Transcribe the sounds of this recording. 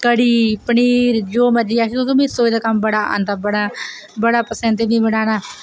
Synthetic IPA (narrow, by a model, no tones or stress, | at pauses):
kəɽiːpəɳiːɾd͡ʒoːməd͡ʒiːaːk̪ʰːõːkemesoːed̪aːkəmbəɽaːa̰ːnd̪aːbəɽaː | bəɽaːpəsənt̪enĩːbəɽaːnaː